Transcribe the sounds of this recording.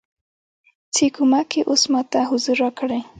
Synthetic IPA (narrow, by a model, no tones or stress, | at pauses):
t͡sɪkʊmakɪʔʊsmat̪aɦʊzʊɾakɽa